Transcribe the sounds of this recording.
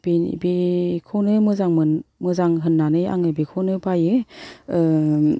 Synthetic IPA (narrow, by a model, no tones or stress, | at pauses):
b̥in̰bikʰonɯmɯzaŋmɯnmɯzaŋɦɯnːanɯja̰ŋɯbikʰonɯbajɯɯ